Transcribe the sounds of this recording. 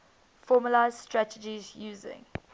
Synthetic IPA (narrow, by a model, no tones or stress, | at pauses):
fɔːməlaɪzstɹatəd͡ʒizjuːzɪ̰̃ŋ